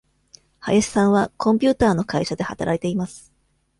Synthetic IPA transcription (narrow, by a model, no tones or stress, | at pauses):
ha̰jaɕi̥sãɰ̃βakʰõ̞mʲpʲɨːt̪aːno̞kaiɕad̪e̞hat̪aɾʔait̪e̞imasɨ̥